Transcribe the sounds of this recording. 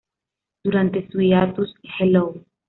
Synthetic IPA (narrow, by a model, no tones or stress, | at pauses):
d̪̥uɾant̪esuiat̪ushelow